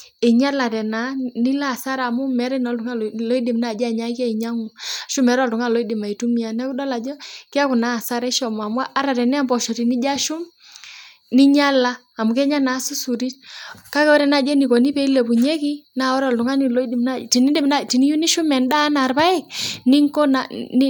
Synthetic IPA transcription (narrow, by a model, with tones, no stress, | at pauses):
e˨ɲa˦la˨tɛ˨na˨˦ni˦la˦˨sa˦ɾa˨mʊ˦mɛ˨˦ɾɛ˦nɔ˨˦ltʊ˨ŋa˦llɔ˦i˦dɪ˨mna˦˨d͡ʒa˦˨ɲa˦ka˦i˨ɲa˦ŋʊ˨a˨ʃʊ˦mɛ˨˦ɾɔ˦˨ltʊ˨ŋa˦˨lɔ˦i˦dɪ˨ma˨i˨tu˦mi˦a˨nɛ˦ku˦dɔ˦la˨d͡ʒɔ˦kɪ˦a˦kʊ˨na˦˨sa˦ɾɛ˦ʃɔ˨m˨a˨mwa˦ʔːɾa˨tɛ˨nɛ˦a˦˨mbɔ˨ʃɔ˨ti˨ni˦d͡ʒa˦ʃʊ˦m | ni˦ɲa˦laː˦˨mʊ˨kɛ˦ɲa˦na˨˦su˦su˨ɾi˦tka˦kɛ˦ɔ˦ɾɛ˦na˨d͡ʒɛ˦ni˨kɔ˨ni˦pɛ˦i˦lɛ˨bu˨ɲɛ˦ki˦na˨ɔ˦ɾɔ˨ltu˨ŋa˦ni˨lɔ˦i˦dɪ˨mna˦ti˨ni˦de˦mna˦˨ti˨ni˦ju˦ni˦ʃʊ˦mɛ˨nda˦na˨rba˦ɛ˦˨k̚ni˦ŋkɔ˦na˨n˦